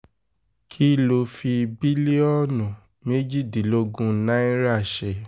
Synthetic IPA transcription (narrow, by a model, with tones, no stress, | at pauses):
kʰi˦˨lo˧fi˧bi˦le˦ɔ˦˨nũ˨ | me˦d͡ʒi˦˨di˨lo˧ɡũ˦nã˦ĩ˦ɾa˦˨ʃe˧